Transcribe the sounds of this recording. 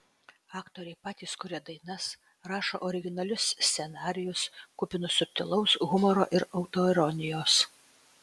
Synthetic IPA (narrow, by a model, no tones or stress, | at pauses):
ɑːkt̪oːɾʲɛɪpɑːt̪ʲiːskʊɾʲɛd̪ɐɪnɐs | ɾɑːʃoʔɔɾʲɪɡʲɪnɐlʲʊsːʲsʲɛnɑːɾʲɪjʊskʊpʲɪnʊsʊp̚ʲt̪ʲɪlˠʊsɣʊmɔɾo̰ːʔɪɾɒʊt̪oːɛɾɔnʲɪjoːs